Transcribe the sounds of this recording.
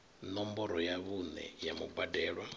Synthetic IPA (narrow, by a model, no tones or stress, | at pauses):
nɔmbɔɾɔjaβunɛ̰jamubadɛːɺwa